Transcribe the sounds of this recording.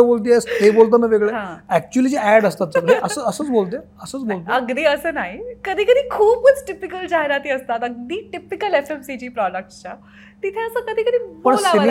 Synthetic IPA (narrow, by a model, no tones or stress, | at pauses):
əbolt̪̬iɛst̪ebolt̪̬ənəʋeɡɭeɦãːɛk̚t͡ɕuəlid͡ʑeæɽəst̪at̪ʋeɡɽeʔəsəəsə̃ːt͡sbolt̪eəsət͡sbolt̪əɡd̪iːəsənaːikəd̪ʱiːkəd̪iːkʰuːb̚kət͡sʈɪpɪkəld͡ʒaːɦeɾaːt̪iəst̪aːt̪əɡ̚d̪iːʈɪpɪkəlefemsiːʈiːpɾɔːɖək̚ʈt͡ɕa | t̪ɪt̪ʰẽəsãkəd̪ʱiːkəd̪ʱiːpəɳslai